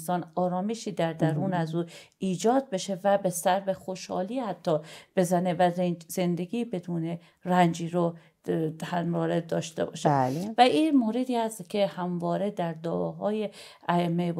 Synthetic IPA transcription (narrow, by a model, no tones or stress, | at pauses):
sɒːnɒːɾɒːme̞ʃiːd̪æɾd̪æɾuːnæzuːiːd͡ʒɒːd̪̚be̞ʃe̞væbesæɾbexo̞ʃhɒ̰ːliːhæt̪ʰːɒːb̥e̞zænevæzze̞nd̪e̞ɡiːbe̞d̪uːne̞ | rænd͡ʒiːɾo | hænɾɒːɾed̪ɒːʃt̪e̞̰bɒ̰ːʃelvæʔiːmoːɾe̞d̪iːhæst̪cʲʰe̞hæmvɒːɾe̞d̪æɾd̪ɒːɦɒːje | æemːeb